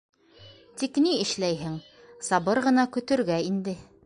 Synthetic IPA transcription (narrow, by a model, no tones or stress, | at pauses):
t̪ikniɘ̆ʃlæjɦɘŋ | sɑbɤɾʁɤ̆nɑkɵ̆t̪ɵ̆ɾɡæind̪ɘ